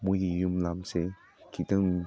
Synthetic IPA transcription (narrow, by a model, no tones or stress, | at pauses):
mujɡijumlamse | kʰitɯŋ